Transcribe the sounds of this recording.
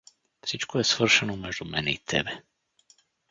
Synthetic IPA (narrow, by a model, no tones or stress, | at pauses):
tsit͡ʃkujɛsfər̩ʃɛnumɛʒd̪umɛnḭːt̪ʰɛ̰bɛ